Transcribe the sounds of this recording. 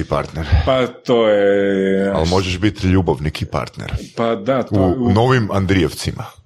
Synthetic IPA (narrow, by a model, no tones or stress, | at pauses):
ipa̰ɾt̪neɾepat̪oje | a̰lmo̞ʒeʃbit̪ʎubaʋnikipa̰ɾt̪nḛɾpad̪auno̞ʋimand̪ɾieʋt̪simʔa̰